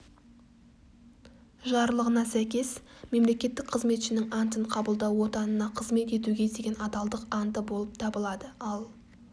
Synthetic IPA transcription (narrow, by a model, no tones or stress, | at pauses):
ʒɑɾlˠəʁənɑsæjkʲe̞sme̞mle̞kʲe̞t̪ːɪk̚qʰəzme̞t̪ʃɪnɪŋɑnt̪əɴqʰɑbəlˠd̪ɑwwo̞t̪ɑnənɑqʰəzme̞t̪e̞t̪uɡʲe̞d̪e̞ɡʲe̞nɑd̪ɑlˠd̪əqɑnt̪əbo̞lˠəp̚t̪ʰɑbəlˠɑd̪əɑlˠ